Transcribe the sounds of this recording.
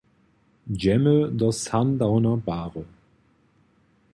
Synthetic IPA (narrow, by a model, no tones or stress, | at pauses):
d͡ʒɛməd̪əsandaʊnɐbaːʁə